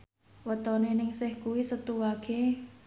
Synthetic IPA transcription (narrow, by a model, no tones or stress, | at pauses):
wət̪ɔnenɪŋsɪhkuwisət̪uwaɡ̥e